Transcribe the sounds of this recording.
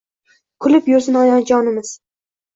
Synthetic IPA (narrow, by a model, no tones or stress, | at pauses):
kʰʊlɪpjoɾzɪnɒjɒnd͡ʒɒnɪmɪz̥